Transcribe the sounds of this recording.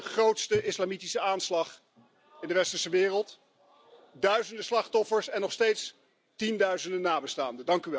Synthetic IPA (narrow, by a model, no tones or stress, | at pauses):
χrowtstəʔɪslamitisəaːnslɑχ | ɪndəʋɛstəɹsəʋɪːrəlˠt | dœɥzəndəslɑχtɔfəɹsɛnːɔχstejts | tindœɥzəndənaːbəstaːndədɑŋkyʋɛ